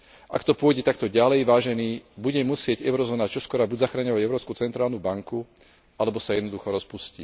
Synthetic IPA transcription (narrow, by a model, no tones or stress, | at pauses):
ʔa̰kt̪ɔpʊɔjɟɛt̪ak̚t̪ɔɟalɛjʋaːʒɛniːbuɟɛmusɪɛɟɛʊɾɔzɔːnat͡ʃɔskɔɾabuzaxɾaɲɔʋaɟɛʊɾɔːpskut͡sɛnt̪ɾaːlnubaŋku | ʔalɛbɔsajɛd̪nɔd̪uxɔɾɔspusci